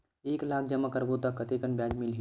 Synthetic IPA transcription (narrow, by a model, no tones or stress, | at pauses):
eːklaːk̚ʰd͡ʒɐməkəɾbot̪akːɐt̪ekənbjaːd͡ʒmɪlɦi